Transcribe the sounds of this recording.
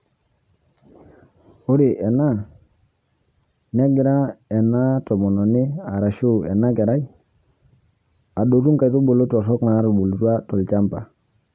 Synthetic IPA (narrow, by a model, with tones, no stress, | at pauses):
o˦ɾi˨ʔɛ˨na˦˨ | na˦ɡi˨ɾa˦ɛ˨na˦to˨mo˨no˨ni˦a˨ɾa˨ʃu˦ɛ̰˨na˦ke˨ɾa˦i˦ | a˨ɗo˨tu˦ŋka˨tu˦bo˨lo˦to˨sɔ˦kna˨˦ɾu˨bo˨ltu˦a˦to˨lt͡ʃa˦mpa˨